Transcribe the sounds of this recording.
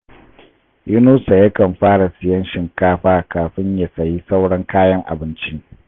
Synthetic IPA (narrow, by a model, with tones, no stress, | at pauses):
jʊ˦nuː˦sa˨ja˦kɐ˨mɸaː˦ɽa˨sɪ˨jɐ˦nʃɪ˨ŋkaː˦ɸaː˦kaː˨ɸɪ˦ɲja˨sɐ˨ji˦sa˦wɽɐ˦ŋkaː˦jɐ˦ŋʔa̰˨bɪ˦nt͡ʃi˦